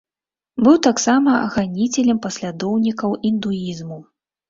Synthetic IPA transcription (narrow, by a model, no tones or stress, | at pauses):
bɨwt̪aksamɐɐɣanʲit͡sʲɛlʲɛmpɐsʲlʲad̪ɔwnʲikɐwind̪uizmu